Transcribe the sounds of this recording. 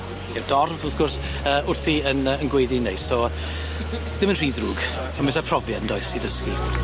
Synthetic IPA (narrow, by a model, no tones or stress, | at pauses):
ɛwdɔrvɔfɡ̥ʊrs | əːʊrθiənəənɡwejðinejsɔ | d̥ɪmənr̥iːdruɡ̥ | amɨsapʰr̥ɔvjandɔɨsiðəski